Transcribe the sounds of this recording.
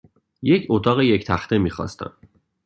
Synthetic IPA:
je̞cʰot̪ʰɒːɣeject̪ʰæxt̪ʰe̞miːxɒ̰ːst̪æ̰n

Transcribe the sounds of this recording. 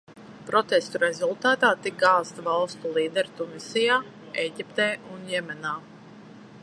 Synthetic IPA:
pɾɔt̪ɛst̪uɾɛzulˠt̪aːt̪aːt̪ik̚ɡaːst̪valˠst̪ulˠiːd̪ɛɾt̪umisʲijaː | ɛjɟʲipt̪ɛːunjɛmʲɛnaː

